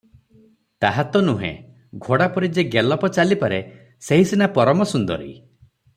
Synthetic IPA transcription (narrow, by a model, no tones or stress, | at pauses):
t̪aɦat̪ɔnuɦḛ̃ | ɡʱoɽapɔɾid͡ʒeɡelɔpɔt͡ʃalipaɾe | seɦisinapɔɾɔmɔsund̪ɔɾḭ